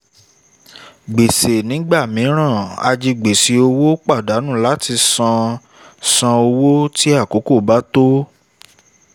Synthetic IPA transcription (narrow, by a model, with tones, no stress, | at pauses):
ɡ͡be˨se˨nĩ˨˦ɡ͡ba˦˨mĩ˨˦ɾ̃ã˦˨a̰˧d͡ʒi˧ɡ͡be˨si˨o˧wo˦k͡pa˦˨da˨˦nũ˦˨la˦tʰi˧sã˧ | sã˧o˧wo˦ti˦a˦˨ko˨˦ko˦˨ba˦to˦